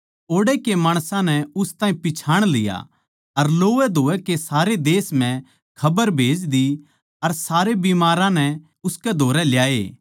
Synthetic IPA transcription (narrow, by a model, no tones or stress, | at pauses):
oːɽekemaːɽ̃sãnɛʊst̪ãːĩpɪt͡ʃʰaːɽ̃lɪja̰ | ɐɾloːʋɛd̪ʱoːɛkesaːɾed̪eːsmɛ̃ | kʰɐbəɾbʱeːd͡ʒd̪i | ɐɾsaːɾebimaːɾãnɛ | ʊskɛd̪ʱoːɾɛljaːḛː